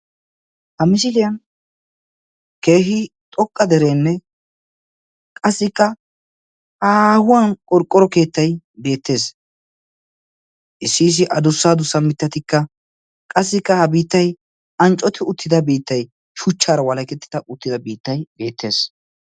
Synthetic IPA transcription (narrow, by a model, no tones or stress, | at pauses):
hɐmɪs̬ɪlɪjɐn | ke̞ːɦɪt̪ʼɔkʼːɐd̪ɛɾe̞ːnːɛ | kʼɐsːɪkːɐ | aːhʊwɐnkʼɔɾkʼːɔɾɔke̞ːt̪ːɐjbe̞ːt̪ːe̞ːs | ʔɪsːiːs̬ɪʔɐd̪ʊsːaːd̪ʊsːɐmːɪt̪ːɐt̪ɪkːɐ | kʼɐsːɪkːɐhɐbiːt̪ːɐj | ɐnt͡ʃʼːɔt̪ʰɪʊt̪ːɪd̪ɐbiːt̪ːɐj | ʃʊt͡ʃːaːɾɐwɐlɐkɛt̪ːɪ̥d̪ɐʔʊt̪ːɪd̪ɐbiːt̪ːɐjbe̞ːt̪ʰːe̞ːs